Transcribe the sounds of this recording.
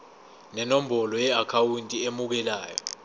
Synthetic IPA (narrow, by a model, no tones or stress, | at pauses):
nɛnom̩ɓɔlɔjɛakʰawuntʼiemuk̬ɛlaːjɔ̰